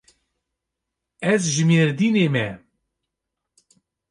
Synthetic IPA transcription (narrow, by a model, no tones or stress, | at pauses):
ɛzʒɨmeːɾd̪iːneːmɛ